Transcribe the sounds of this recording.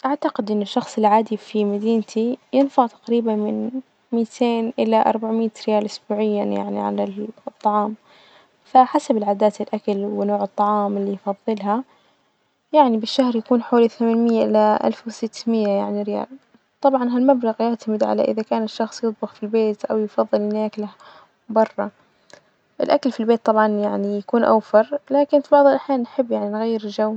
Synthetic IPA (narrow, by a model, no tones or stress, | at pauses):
ʔaʕt̪aqɪd̪ʔɪnːɪʃːɑxsˤɪlʕaːd̪ifimad̪iːnt̪ʰijɪnfaʔt̪ḁqɾiːbanmɪn | miːt̪ʰeːnʔɪlaʔɑ̰ɾˤbaʕmiːt̪ɾɪjaːlʔʊsbuːʕɪjːanja̰ʕnḭʕa̰lat̪ˤːɑʕɑːm | faħasabɪlʕaːd̪aːt̪ɪlʔakalwɪnoːʕɨt̪ˤːɑʕɑːmɪlːijfɑðˤːɨlɦa | jaʕnibɪʃːahɾjakuːnħoːliθamaːnmɪjːaʔɪlːaʔa̰lfwɪsɪt̪ːmɪjːajaʕniɾɪja̰ːl | t̪ˤɑbʕɑnɦalmablaɣjaʕt̪amɪd̪ʕa̰la̰ʔɪ̰ðakaːnɪʃːɑxsˤjɨt̪̚ˤbʊxfilbeːt̪ʔawjfɑðˤːɨlhɪnaːkla | bɑrˤːɑ | ʔɪlʔakalfilbeːt̪ˤːɑbʕɑnjaʕnijakuːnʔa̰wfɑɾˤlaːkɪnfibɑʕðˤɨlʔaħjaːnːħɪbːjaʕninɣajːɪɾɪld͡ʒaw